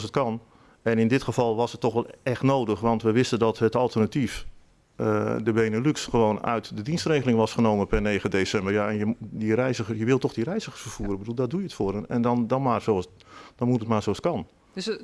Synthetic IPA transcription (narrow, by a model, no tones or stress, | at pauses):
sət̚kɑn | ɛnɪndɪtxəfɑlˠʋɔsətːɔxʋɛlˠɛxtnoːdəxʋɑntʋəʋɪstəndɔtɦətɔlˠtərnatif | ədəbeːnəlyksxəʋoːnœ̰ɥtdədinstreːɣəlˠɪŋʋɔsχənoːmənpɛrneːxəndesɛmbərjaɛnjədirɛjzəxəsjəʋɪlˠtɔxdirɛjzəxərsfərfuəɾənbəduːlˠdɔdujəətfʊəɾənɛ̰ndɔndɔnmarsos | d̥ɔnmutətmaːrsoːaskɑn